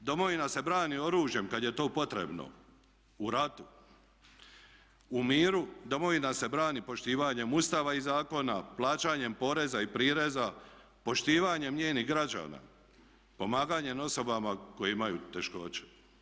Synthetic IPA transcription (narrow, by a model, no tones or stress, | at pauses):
d̪o̞mo̞ʋinase̞bɾaːnio̞ɾuːʒje̞mkad̪je̞t̪o̞ːpo̞t̪ɾe̞̰bno̰ | uɾat̪u | umiːɾud̪o̞mo̞ʋinase̞bɾaːnipo̞ʃt̪iːʋaɲe̞must̪aːʋaizaːko̞naplˠaːt͡ʃaːɲe̞mpo̞ɾe̞zaipɾiːɾe̞za | po̞ʃt̪iːʋaɲemɲeːniɦɡɾad͡ʑa̰ːna̰ | po̞maːɡaɲe̞no̞so̞bamako̞jeimajut̪eʃko̞t͡ɕe̥